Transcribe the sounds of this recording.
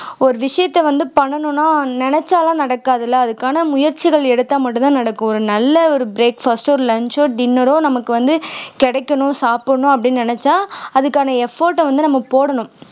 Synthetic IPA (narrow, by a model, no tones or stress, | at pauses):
ɔɾɯʋɪʂɐjɐt̪ːɛʋɐnd̪ɯpɐɳːɐɳʊ̃nːaːnɪnɛt͡ʃːaːlãːnɐɽɐkːaːðɐlːɐːðɯkːaːnɐmʊjɐɾt͡ʃɪɣɐɭɛɽɯt̪ːaːmɐʈːɯ̃t̪ãːnɐɽɐkːʊ̃ɔɾɯnɐlːɐɔɾɯbɾeːkfɐsʈɔɾɯlɐɲt͡ʃoːɖɪnːɐɾoːnɐmɐkːɯʋɐnd̪ɯkɛɽɛkːɐɳʊ̃saːpɐɳʊ̃ɐpːɐɽɪnːnɪnɛt͡ʃːaːɐðɯkːaːnɐɛfoːɾʈːɐʋɐnd̪ɯnɐmːɐpoːɽɐɳʊ̃